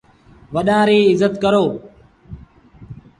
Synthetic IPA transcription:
ʋəɗãːɾeːɪzət̪kəɾoː

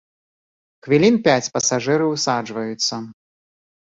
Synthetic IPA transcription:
xvʲilʲinpʲat͡sʲpɐsaʐɨɾɨwsad͡ʐvɐjut̪sːɐ

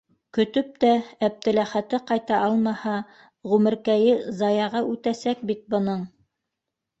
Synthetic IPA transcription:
kɵ̆t̪ɵp̚t̪æːp̚t̪ɘ̆læχæt̪ɘqɑjt̪ɑʔɑlˠmɑhɑ | ʁʉmɘ̆ɾkæjɘzɑjɑʁɑʉt̪æsæk̚bit̪̚bŏnɤɴ

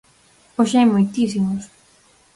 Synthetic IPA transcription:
oʃajmojt̪is̬imos

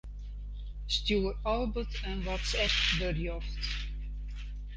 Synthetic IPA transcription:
stjuːərɔlˠbətʰənwɔtsɛp̚bərjɔft

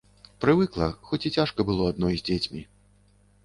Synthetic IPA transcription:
pɾɨvɨklˠɐxɔt͡sʲit͡sʲaʂkɐbɨlˠɔad̪̚nɔjzʲd͡zʲet͡sʲmʲi

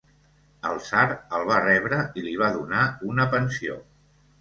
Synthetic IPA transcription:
ə̰lˠsaɾəlˠβ̞arɛβ̞ɾəiliβ̞aðunaunəpənsio̰

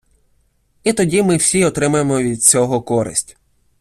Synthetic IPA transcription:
it̪ɔdʲimɪwsʲiɔt̪ɾɪmɐjemɔʋʲid̪̚t͡sʲɔɦɔkɔɾɪ̰sʲtʲ

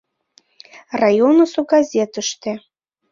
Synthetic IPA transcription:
rɑjonəsoɡɑzʲet̪ə̆ʃt̪ĕ

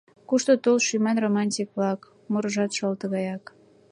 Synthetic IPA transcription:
kuʃt̪ot̪olʃymɑnromɑnʲtʲikβlɑk | moɾɤʒɑt̪ʃɤlt̪ə̆ɣɑjɑk

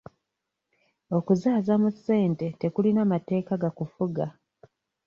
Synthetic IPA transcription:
o̞kuzaːzamusːe̞ːnte̞te̞kulinamate̞ːkaɡakufuɡa

